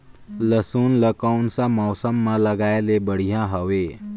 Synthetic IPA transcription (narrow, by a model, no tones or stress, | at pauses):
ləsunləkaunsamɔːsəmːãləɡaelebəɽ̤ijãɦəʋe